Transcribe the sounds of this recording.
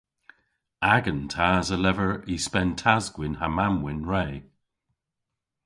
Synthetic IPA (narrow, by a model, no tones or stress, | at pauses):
aɡə̃ntʰaːzəlɛvəɹispɛntʰazɡwɪnhamamwɪnɹeː